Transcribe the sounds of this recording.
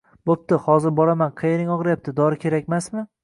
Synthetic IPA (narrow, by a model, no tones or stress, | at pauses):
bop̚t̪ɪhɒzɪɾbɒlamanqʰejɾɪŋɒʁɾajap̚t̪ʰɪd̪ɒɾɪkʲʰe̞ɾakʲmasmɪ